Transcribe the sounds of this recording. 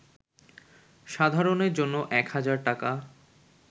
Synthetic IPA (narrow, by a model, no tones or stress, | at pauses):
ʃad̪ʱaɾoneɾd͡ʑonːoʔɛkhad͡ʑaɾʈaka